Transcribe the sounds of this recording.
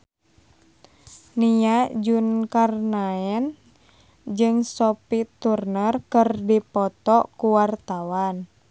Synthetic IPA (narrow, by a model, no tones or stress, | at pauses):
niad͡ʒunkarnaɛn | d͡ʒɨŋsɔpit̪urnərkərdipɔt̪ɔkuwart̪awan